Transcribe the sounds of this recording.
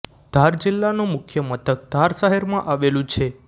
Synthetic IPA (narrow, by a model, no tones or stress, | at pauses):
d̪ʱaɾd͡ʒilːanũmʊkʰjəmət̪ʰək̚d̪̥ʱaɾʃaɦɛɾmãʔaʋelũt͡ʃʰe